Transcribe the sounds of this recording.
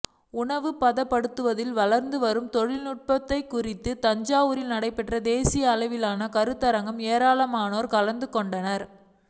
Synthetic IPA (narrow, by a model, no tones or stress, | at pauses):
ʊɳɐʋɯpɐðɐpːɐɽɯt̪ːɯʋɐðɪlʋɐɭɐɾnd̪ɯʋɐɾɯmt̪ɔɻɪlnʊʈ̚pɐt̪ːɐɪkːʊrɪt̪ːɯt̪ɐɲd͡ʒaːʋɯɾɪlnɐɽɐɪpːɛʈrɐd̪eːsɪjɐːlɐɪʋɪlaːnɐkɐɾɯt̪ːɐɾɐŋɡɐmeːɾaːlɐmaːnoːɾkɐlɐnd̪ɯkːɔɳɖɐnɐɾ